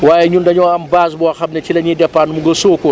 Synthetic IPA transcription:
waːjɛɲundɐɲɔːɐmbaːs̬bɔaxɐmnɛt͡ʃilɐɲidɛpːaːnmuŋɡɐsoːko

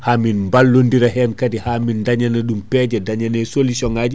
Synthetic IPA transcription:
haːminmbalːondiɾaɦɛnkatihamindaɲanɛɗumpɛd͡ʒɛdaɲanɛsolisɔŋad͡ʒi

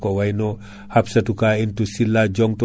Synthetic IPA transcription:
kowajno | hapsɐtukaintusilːaɟɔŋtu

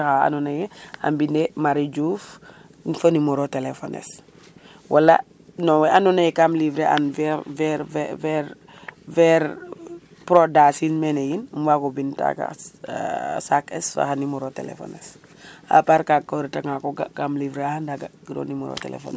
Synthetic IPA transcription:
axaa̰nɔnajɛa̰mbindemaɾid͡ʒuf | nfənimɔɾotelefo̰nḛs | wʔalːa̰ | nɔwɛanɔnajɛkamlivɾeʔa̰nvɛvɛɾvɛvɛɾ | vɛɾ | pɾodasinmenejinmvakobinta̰ka̰ | sakɛsfa̰xanimɔɾotḛlḛfo̰nes | a̰paɾkakːoɾitaŋakɔɡkamlivɾeahandaɡaɡiɾo̰nimɔɾo̰tḛlḛfo̰n

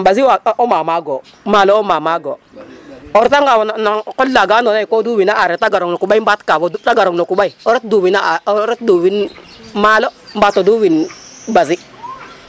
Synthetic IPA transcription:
baziwaɔmamaɡo | maːlɔomamaɡo | oɾtaŋɡawɔnanakɔllaɡaːnonaikoduwinaʔaɾɛtaɡaɾoŋnokuɓaibatkawɔtaɡaɾoŋnokubaiɔɾit̚duwinaɾit̚duwin | malombatɔduwinbazi

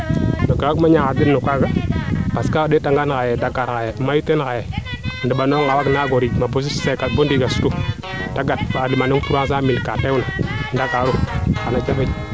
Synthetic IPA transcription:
maɡaakmaɲaadinukaɡapaskadetaŋɡankajedaɡaɾkajɛmajutenkajɛndibanoŋawaknaɡoɾimabos̬sekabondiɡasu̥tu | daɡat̚adimanutuɾas̬amilkatewnandakaɾukanad͡ʒaba

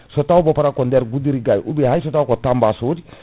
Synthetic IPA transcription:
sɔtawbɔpaɾakɔndɛɾɡudiɾiɡajʔubiɦajs̬ɔtawkotambasod͡ʒi

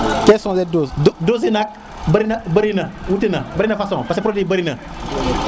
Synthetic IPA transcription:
kɛsɔ̃zɛdosodoz̬inak̚ | bɾinabəɾinawutinabaɾinafasɔ̃ŋpasepɾodibaɾina

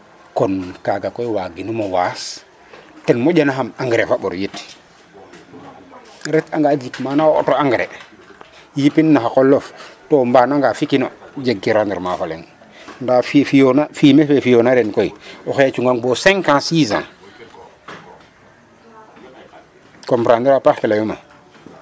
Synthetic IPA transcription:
konkaɡakoiwaɡinumowas | tenmoɟanaɦamaŋɡɾefaɓo̰ɾjit | ɾɛtaŋɡad͡ʒikmanao̰toaŋɡɾḛ | jipinːaxakolːoftombanaŋɡafikinod͡ʒeɡkiɾandiɾmafalḛŋ | ndafifijonafimefefijonaɾenkoioxjat͡ʃuŋɡaŋboseŋkãsiːzã̰ | kompɾandiɾapaxkilajuma̰

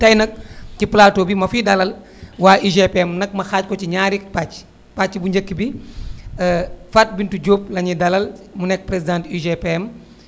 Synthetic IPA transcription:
tɐjnɐk̚ciplaːtoːbimɐfiːdɐlɐl | waːʔiʒepeɛmnɐk̚mɐxaːc̚kɔciɲaːɾik̚pac | paibuɲɟɐkːibi | fat̚bintuɟoːp̚lɐɲidɐlɐlmunɛk̚pɾezidãːntiʒepeɛm

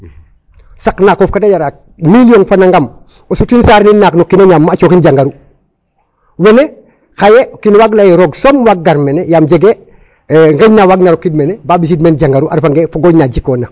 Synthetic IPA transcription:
saknakoːfkadajaɾak̚ | milijoŋfanaŋɡam | osutinsaːɾninnːaknokːinaɲaːmːaːt͡ʃokinɟaŋɡaɾu | wene | xajeokinwaɡlajeɾoɡsomwaɡ̚ɡaɾmenejaːmɟeɡe | ŋɡeɲnawaɡnaɾokːidmenebaːbis̬idmenɟaŋɡaɾuʔaɾfaŋɡefoɡoɲnaɟikoːna

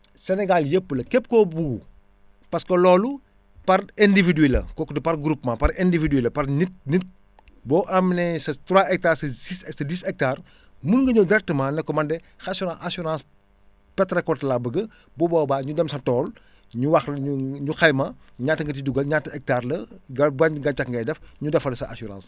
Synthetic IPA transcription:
sɛnɛɡaljepːəlɐkɛp̚ːkɔbuɡu | pɐskɐlɔːlu | pɐrɛndividelɐ̰kɔkdɐpɐrɡɾupmãːpɐɾɛndividelɐpɐrnit̚nit̚ | bɔːʔɐmnɛsɐtwaʔɛk̚taːɾsɐissɐdisɛk̚taːr | munŋɡɐɲɐwdɪɾɛk̚təmãːnɛkːɔmɐndɛ | xɐsuɾãʔasuɾãːs | pɛtɾɛkɔtlabəɡɐ | bɔbɔːbaːɲudɛmsɐtɔːl | ɲuwɐxlɲuɲuxɐjmɐ | ɲaːtːəŋɡɐt̬iduɡɐlɲatːɐɛk̚taːrlɐɡɐbɐɡɐt͡ʃakŋɡɐjdɛfɲudɐfɐlɐsɐʔasuɾã̰ːns

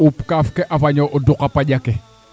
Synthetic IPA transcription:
upkafkɛʔafaɲɔʔɔdukapaɟakɛ

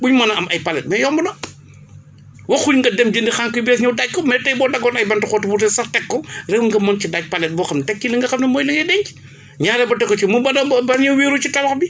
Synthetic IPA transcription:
buɲmɐnɐɐmɐjpɐlɛt̚mɛjɔmbɐdɔ | wɐxuɲŋɡɐdɛmd͡ʒəndixaŋkɔjbɛːsɲɐwdaɟ̚kɔmɛtɐjbɔːdɐɡɔːnɐjbɐntɐxɔːtubutɛsɐtɛkːɔrɛwŋɡɐmɐncidac̚pɐlɛt̚bɔːxɐmnɐtɛkːilɐŋɡɐxɐmnɐmɔːjlɐŋɡɛdɛɲt͡ʃ | ɲaːɾɛbɐtɛkːɔt͡ʃimubɐnɐbbɐɾɲɐwwiːɾut͡ʃitɐwɐxbi

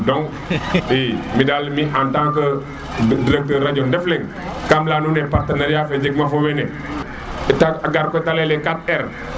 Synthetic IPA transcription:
dɔŋ | imidalmiʔantaŋkə | diɾek̚təɾad͡ʒɔndɛflɛŋ | kamlaːnunɛpaɾtɐnaɾjafɛd͡ʒəɡ̚mafowɛnɛ | taaɡaɾkɔtalɛlɛkat̚ɛɾ

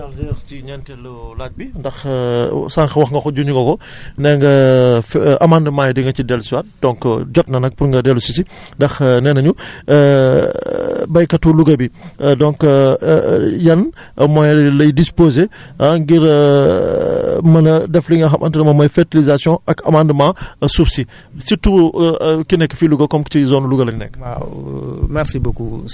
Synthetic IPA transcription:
dɐldɛɾstiɲɛntɛlɔlat̚bindɐx | saŋxɐwɐxŋɡɐxɔɟuɲuɡɔkɔ | nɛŋɡɐfɐmandəmaːjdiŋɡɐcidɛlsiwat̚dɔ̃ŋkd͡ʒɔt̚nɐnɐk̚puɾŋɡɐdɛlusisindɐxnɛnɐɲu | bɐjkɐtuluɡɐbidɔŋk | jɐn | mɔjlɐjdispoːzeaŋɡiɾ | mɐnɐdɛfliŋɡɐxɐmʔɐ̰ntənɐmamɔjfɛɾtilizasjɔ̃ɐkɐ̰mãndəmãsubsi | situ | kinɛkːfiluɡɐkɔmktizɔnuluɡɐlɐnɛ̰kː | mɛɾsibokṵ

